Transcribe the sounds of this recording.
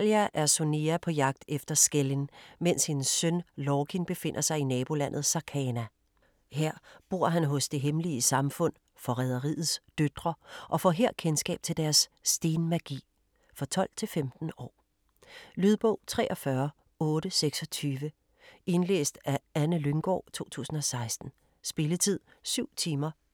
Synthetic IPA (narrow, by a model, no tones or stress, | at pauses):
ljæʔæɐso̝niæpʰɒ̽jɑ̈ɡ̥̚d̥efd̥ɐsɡ̥elinmen̰sinsːønlɒːkʰinb̥e̝fe̝n̰ʔɐsɑ̈ɪinɛːb̥o̝læn̰ð̩ˠsɑ̈kʰɛnæ | heɐ̰b̥o̝ɐ̰ɦænɦɔ̽sd̥e̝ɦemliəsɑ̈mfɔ̽n̰ | fɒ̽ʁɛð̞ˠɐʁḭːð̩ˠsd̥ød̥ʁɐʔɒ̽fɒ̰ɦeɐ̰kʰensɡ̥ɛ̰ːb̥̚t͡sʰe̝ld̥æɐsd̥e̝ːnmæɡ̥ḭː | fɒ̽t͡sʰɒ̽l̰t͡sʰe̝lfemd̥n̩ɒ̰ː | lyð̞ˠb̥ɔ̽ʊ̰t͡sʰʁɛ̰ːʔɒ̽fɶɐ | ɔ̽ːɾ̥əseɡ̥sɒ̽t͡sʰyːʋə | e̝nlḛːsd̥æænəløŋɡ̥ɒ̰ːt͡sʰo̝̰ːt͡sʰṵːsn̩ɒ̽sɑ̈ɪsd̥n̩ | sb̥e̝lət͡sʰið̞̰ˠ | syʊ̰t͡sʰiːmɐ